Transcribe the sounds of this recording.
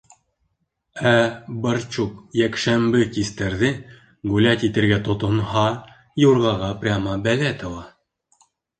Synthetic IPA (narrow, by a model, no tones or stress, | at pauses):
æbɤɾt͡ɕuqjækʃæmbɘkist̪æɾðɘ | ɡulæt̪it̪ɘ̆ɾɡæt̪ŏt̪ŏnhɑ | juɾʁɑʁɑprʲamɑbælæt̪ʰɤ̆lˠɑ